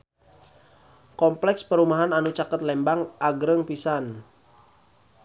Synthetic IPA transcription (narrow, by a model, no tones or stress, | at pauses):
kɔmplɛkspəɾumaɦananut͡ʃakət̪lɛmbaŋʔaɡɾəŋpisan